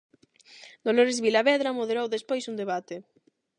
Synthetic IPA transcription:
d̪̥oloɾezβilaβɛðɾamoðeɾowðespojsund̪eβ̞at̪e

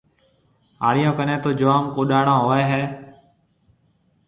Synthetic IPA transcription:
ɦaːɽɪjõːkənẽːt̪oːd͡ʒəʋaːmkoːɗaːɳãːɦoːeːɦɛː

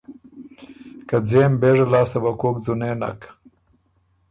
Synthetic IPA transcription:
kad͡zeːmbeʐalɑːst̪abakoːk̚d͡zuneːna̰k

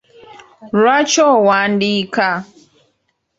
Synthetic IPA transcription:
ɾat͡ʃɔwandika

